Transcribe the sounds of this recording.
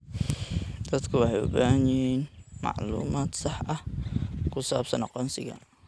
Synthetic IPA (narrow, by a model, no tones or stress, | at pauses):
d̪ɐt̪kʰʊwɑħɑjʊ̰baːɲɪnmɑ̰ʕluːmaːt̪sɑħʔɐhkʰʊsa̰ːbsɐnqɔnsɪɣɐ̰